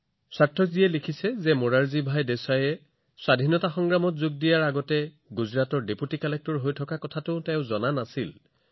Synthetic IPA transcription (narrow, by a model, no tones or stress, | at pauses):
satʰːɔkzijɛlikʰisɛzɛmoɹaɹzibʱajdɛsajɛ | swadʱinɔtaxɔŋɡɹamɔtzuɡ̚dijaɹaɡɔtɛ | ɡuzɹatɔɹdeputikalɛk̚tɔɹɦojtʰɔkakɔtʰatʊtɛʊzɔnanasil